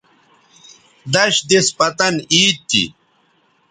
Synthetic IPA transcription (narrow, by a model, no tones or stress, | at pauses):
d̪ɐɕd̪ispɐt̪ɐniːt̪ːḭ